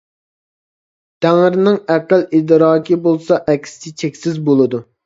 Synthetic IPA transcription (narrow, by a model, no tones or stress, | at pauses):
t̪ʰæŋɪɾnɪŋæqəlˠid̪ɾɑːkʲʰibolˠsɑʔɛkʲst͡ʃ̪ʰɪt͡ʃʰekʲsɪzbolˠɨd̪u